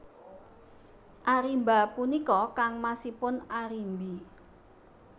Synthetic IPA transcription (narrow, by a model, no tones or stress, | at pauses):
ʔaɾimba̤punikɔkaŋmasipʊnaɾimbi